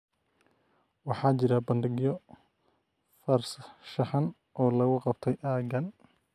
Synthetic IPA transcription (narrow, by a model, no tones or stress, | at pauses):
wɑħɑːt͡ʃɪɾɐbɐndɪɡjɔ | fɐrsʃɑħɑn | ʔɔːlɐɣʊqɑbt̪ʰɛjʔaːɡɐn